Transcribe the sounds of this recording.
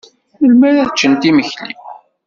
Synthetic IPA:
jəlmæɾæt͡ʃːənt̪iməçlḭ

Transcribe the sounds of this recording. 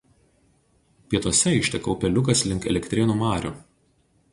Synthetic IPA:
pʲiɛt̪uɔsʲɛɪʃʲt̪ʲɛkɔʊpʲɛlʲʊkɐslʲɪŋkɛ̰lʲɛkʲt̪ʲɾʲɪnuːmɑːɾʲʊ̰ˑ

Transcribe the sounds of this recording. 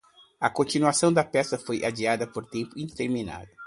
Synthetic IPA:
ɐkõnt͡ʃinuasɐ̃w̃d̪ɐpɛsɐfojʔad͡ʒiad̪ɐpoɾt̪ẽmpʊĩt̪eɾmina̰d̪ʊ

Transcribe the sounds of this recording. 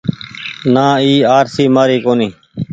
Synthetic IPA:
nãːiːaːɾsiːmaːɾiːkoːniː

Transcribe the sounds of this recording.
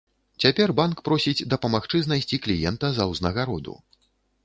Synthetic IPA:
t͡sʲapʲɛrbankpɾɔsʲid͡zʲd̪ɐpɐmaxt͡ʂɨznasʲt͡sʲiklʲijɛnt̪ɐzɐwznɐɣaɾɔd̪ṵ

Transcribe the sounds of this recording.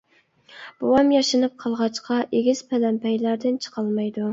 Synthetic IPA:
b̥uwɑmjɑʃɨnɨp̚qʰɑlˠʁɑt͡ʃqʰɑʔeɡʲiz̥pʰɛlɛmpʰɛjlæɾd̪ɪnt͡ʃʰə̥qʰɑlˠmɑjd̪u

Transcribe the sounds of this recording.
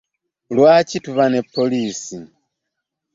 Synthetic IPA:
lwaːcituβanepʰːo̞liːsi

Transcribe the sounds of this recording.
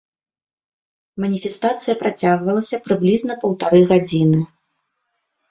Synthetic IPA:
mɐnʲifʲɛst̪at̪sɨjɐpɾat͡sʲaɣvɐlˠɐsʲɐpɾɨblʲiznɐpɐwt̪aɾɨɣad͡zʲinɨ

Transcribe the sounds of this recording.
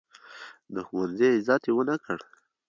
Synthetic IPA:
d̪əxuwanzeɪzɑt̪ewənakʰəɽ

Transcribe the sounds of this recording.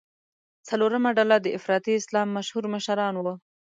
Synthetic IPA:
t͡saloɾəmaɖalad̪əɪfɾɑt̪iɪslɑmːaʃhuɾməʃaɾɑnwə

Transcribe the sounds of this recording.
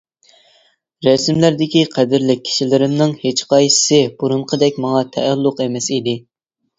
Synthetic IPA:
ɾɛsmlæɾd̪ɪkʲiqʰɛd̪ɪɾlɪk̚ʲʰːi̥ʃilɪɾɪmnɪŋhet͡ʃqɑjsɪ̥sɪb̥uɾunqʰəd̪ɛk̚ʲmɑŋɑt̪ʰɛælːʊqemɛsid̪ɪ

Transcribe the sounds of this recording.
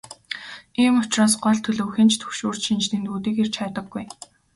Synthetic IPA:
iːmʊt͡ɕraːsɢɔɮt̪ʰɵɮɵ̆wxĭnt͡ɕt̪ʰɵ̥xʃoːr̥t͡ɕʃint͡ɕnĭnt̪uːt̪iːkert͡ɕʰat̪ə̆ɡːuj

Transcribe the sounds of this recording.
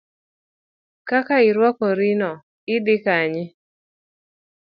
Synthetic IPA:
kakaɪɾwɔkɔɾinɔ | ɪdɪkaɲɪ

